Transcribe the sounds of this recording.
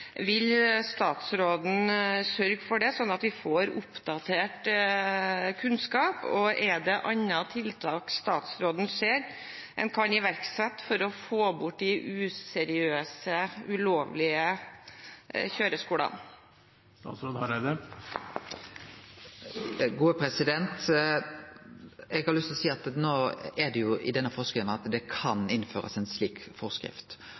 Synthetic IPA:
ʋɪlst̪ɑːt̪sɾoːd̪n̩sœɾɡfɔɖɛsɔnːɑt̪ʋɪfoːɾʊpd̪ɑt̪ʰeːʈ | kʰʉnskɑːpɔʔɛɖɛʔɑnːɑt̪ʰɪlt̪ʰɑːkst̪ɑːt̪sɾoːd̪n̩seːɾ | ʔɛ̰nkʰɑnɪʋæɾksɛt̪ːfɔɾɔfoːbʊʈ̚ːd̪ɪʔʉːsɛɾɪøːsəʉloːʋlɪə | çøːɾəskuːɽɑ̰n | st̪ɑ̰ːt̪sɾoːd̪hɑɾæd̪ə | ɡuːəpʰɾɛsɪd̪ɛnt̪ | ɛɡhɑɾlʏst̪lɔsiːɑt̪noːɛɖ̪ɛjʊʔɪ̰d̪ɛnːəfɔsklnɑt̪d̪ɛkʰɑnɪnføːɾə̰sɛnsliːkfɔskɾɪ̰ft̪

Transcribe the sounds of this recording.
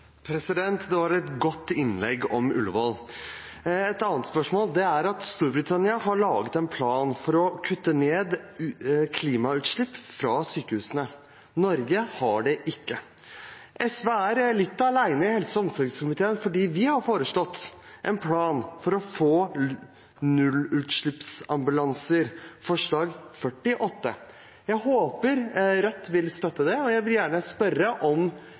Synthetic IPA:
pʰɾɛsɪd̪ɛnt̪d̪ɛʋɑɾɛt̪ɡɔt̪ːɪnlɛɡɔmʉ̰lʋɔl | ɛt̪ɑːnt̪spœʂmoːld̪ɛæɾɑt̪st̪uːɾbɾɪt̪ʰɑnɪɑɦɑɭɑːɡət̪ɛnpʰlɑːnfɔɾɔkʰʉt̪ːəneːd̪ | kʰliːmɑʉːt̪ʂɭɪpːfɾɑsyːkəhʉːsənə | nɔɾɡəhɑɖɛʔɪkːə | ʔɛsʋeæɾlɪt̪ːɑlæɪnəɪhɛlsɔɔmsɔɾɡskʊmɪt̪ʰeːənfɔɖiːʋɪhɑɾfoːɾəʂɭɔt̪ː | ʔɛnpʰlɑːnfɔɾɔfoː | nʉlːʉːt̪ʂɭɪpsɑmbʉlɑŋsəɾfɔʂɭɑːɡfœʈːɪʔɔt̪ːə̰ | jæhoːpəɾɾɛt̪ːʋɪlst̪œt̪ːəd̪ɛɔjæɪʋɪljæːɳəspœɾəʔɔm

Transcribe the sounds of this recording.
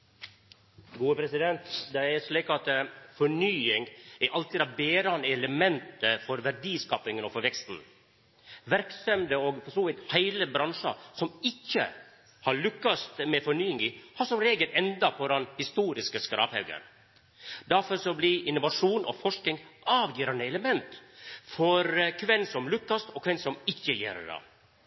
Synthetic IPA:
ɡuːəpʰɾɛsɪd̪ɛnt̪d̪ɛæɾʂɭiːkɑt̪fɔɳyːɪŋɡɛʔɑlt̪ɪd̪ɑbeːɾnəɛləmɛnt̪əfɔɾʋæɾɖiːskɑːpɪŋənɔfɔʋɛkst̪n̩ | ʋæɾksœmd̪əɔɡfɔʂuːʋɪt̪hæɪləbɾɑnʂɑ̰sɔmɪçːə̰ | hɑɾɭʉkːɑst̪mɛfɔɳyːɪŋihɑsɔmɾeːɡəlɛnd̪ɑpʰɔɾɑnhɪst̪uːɾɪskəskɾɑ̰ːphɛʉɡə̰ɾ | d̪æɾfɔɾsɔblɪʔɪnʊʋɑʂuːnʔɔ̰fɔʂkɪŋʔɑːʋjiːɾɑnəɛləmɛnt̪fɔɾkʰʋɛnsɔmlʉkːɑst̪ɔkʰʋɛnsɔmɪçːəjḛːɾə̰ɖɑ̰

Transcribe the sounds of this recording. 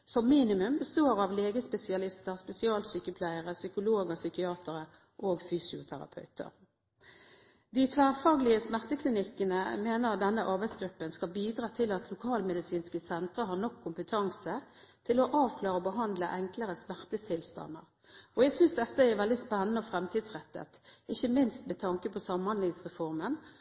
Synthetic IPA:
sɔmːiːnɪmʉmbəst̪oːɾɑʋleːɡəspɛsɪɑlɪst̪əʁspɛsɪɑːlsykəpʰlæɪəʁəsʏkʊloːɡəsʏkɪɑːt̪ʰəɾə | ʔoːɡfyːsɪʊt̪ʰæ̰ɾɑ̰pʰœ̰ʉt̪ʰə̰ɾ | d̪ɪt̪ʰʋæːʁfɑːɡlɪəsmæʁt̪əkʰlɪnɪkːənəmeːnəʁɑt̪̚d̪ɛnːəʔɑɾbæɪt̪sɡɾʉpːənskɑlbiːd̪ɾɑːt̪ʰɪlɑt̪ʰlʊkʰɑːlmɛd̪ɪsiːnskəsɛnt̪ɾəɦɑnɔkʰːʊmpət̪ʰɑŋsət̪ʰɪlɔʔɑːʋkʰlɑːɾəɔbəɦɑnd̪ləʔɛŋkləɾəsmæʁt̪ət̪ʰɪlst̪ɑ̰nːə̰ʁ | ɔɛɡsʏnsd̪ɛt̪ːəæʋɛld̪ɪspɛnːənəɔfʁɛmt̪ʰiːd̪sʁɛt̪ːə̰t̪ɪçəmɪnst̪mɛt̪ʰɑŋkəpʰɔsɑmhɑnlɪŋsʁɛfɔʁmən

